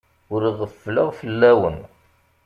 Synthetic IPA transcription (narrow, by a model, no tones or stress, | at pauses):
ʊɾiʁəfːləʁfəlːæwə̰n